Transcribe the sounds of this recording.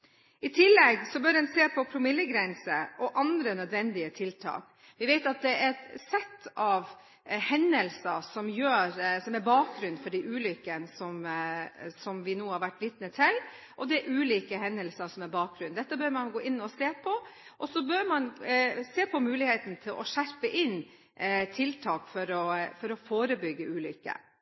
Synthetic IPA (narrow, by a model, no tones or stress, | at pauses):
ɪt̪ʰɪlːɛɡsɔbœɾd̪ɛnseːpʰɔpʰɾʊmɪlːəɡɾɛnsəʔɔʔɑnd̪ɾənœd̪ʋɛnd̪ɪət̪ʰɪlt̪ʰɑ̰ːk | ʋɪʋeɪt̪ɑt̪̚d̪ɛɛsɛt̪ːɑʋ | hɛnːəlsəsɔmjøːɾsɔmæɾbɑːk̚ɡɾʉnd̪fɔɖiʔʉːlʏkːənsɔm | sɔmʋɪnuːhɑɾʋæʈːlɪːt̪nət̪ʰɪl | ʔɔd̪ɛɾʔʉːliːkəhɛnːəlsɑsɔmæɾbɑːk̚ɡɾʉnd̪ɛt̪ːəbœɾmɑnɡoːʔɪnːɔseːpʰɔʔɔsɔbøɾmɑnseːpʰɔmʉːlɪheːt̪n̩t̪ʰɪlʔɔʂæɾpəʔɪn | t̪ʰɪlt̪ʰɑːkfɔɾɔfɔɾɔfoːɾəbʏɡːəʉːlʏ̰kːə̰